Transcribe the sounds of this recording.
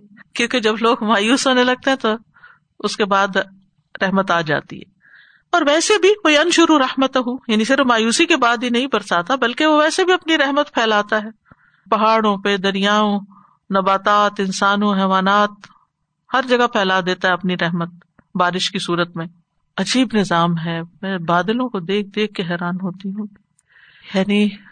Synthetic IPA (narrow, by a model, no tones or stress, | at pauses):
kjõːked͡ʒɐbloːɡmaːjuːsõnẽlɐɡ̚t̪eɦɛ̃t̪o | ʊskebaːd̪ | ɾɛɦmət̪aːd͡ʒa̰ːt̪ḭɦɛ̰ː | ɔːɾʋɛːsebʱiʋoiɐnʃʊɾuɾɐhmət̪ɦujaːnisɪɾfmaːjuːsikebaːd̪ɦinɐɦĩpɐɾsaːt̪abɐlkeʋoʋɛːsebʱiɐpniɾɛɦmət̪pʰɛːlaːt̪aɦɛː | pɐɦaːɽõped̪ɐɾijaːõ | nɐbaːt̪aːt̪ɪnsaːnõɦɛːʋaːnaːt̪̚ | hɐɾd͡ʒɐɡapʰɛːlad̪eːt̪aɦɛɐpniɾɛɦmət̪̚ | baːɾɪʃkisuːɾət̪mẽ | ɐd͡ʒiːbnɪzaːmɦɛːmɛ̃ːbaːd̪lõkod̪eːk̚d̪eːkʰːeɦɛːɾaːnɦoːt̪iɦũː | jaːni